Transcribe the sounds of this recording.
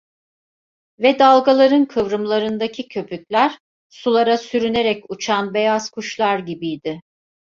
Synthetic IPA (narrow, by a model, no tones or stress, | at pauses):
vɛd̪alˠɡalˠaɾɯnkʰɯvɾɯmlˠaɾɯnd̪acʰicʰø̞pʰycʲlʲæɾ̥ | sulˠaɾasyɾyne̞ɾɛcut͡ʃʰanbe̞jazkʰuʃlˠaɾɟibijd̪ɪ